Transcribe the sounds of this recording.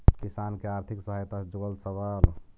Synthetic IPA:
kisankeaɾt̪ʰiksəɦajt̪ad͡ʒoəlsəbəl

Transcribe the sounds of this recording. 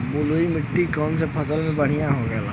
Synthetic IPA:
boloːimɪʈːikɔːnsepʰəsəlmẽbɐɽ̤ijãɦoɡɛːla

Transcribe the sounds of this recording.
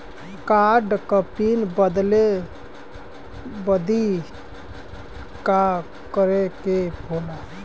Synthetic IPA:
kaɖkəpinbəd̪le | bəd̪i | ka | kəɾekebʱola

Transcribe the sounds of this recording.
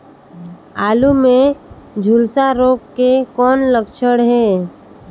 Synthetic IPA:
aːlumẽd͡ʒʱulsaɾoːk̚kekɔːnləkʃʰəɽɦɛː

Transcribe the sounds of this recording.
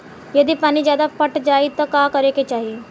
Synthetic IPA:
jɐd̪iːpaːnid͡ʑjad̪afəʈd͡ʒait̪əkakəɾeket͡ʃaɦi

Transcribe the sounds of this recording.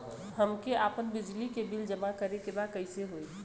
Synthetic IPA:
həmkeʔaːpənbɪd͡ʒlikebɪld͡ʒəmakəɾekebaːd̪̚kəɪseɦoːi

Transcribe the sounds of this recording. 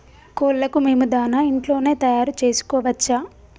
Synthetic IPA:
koːllɐkume̞ːmud̪aːnaːiɳʈlo̞ːne̞ːt̪ɐjaːɾut͡ʃe̞ːsu̥kɔːʋɐt͡ʃːaː

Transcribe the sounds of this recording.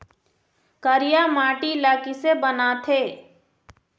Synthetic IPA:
kəɾijamaːʈilaːkisebənat̪ʰeː

